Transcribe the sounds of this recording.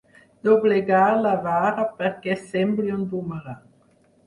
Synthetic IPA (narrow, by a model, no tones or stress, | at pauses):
d̪̥obleɡalavaːɾapəɾkɛsɛmbliunbuməɾa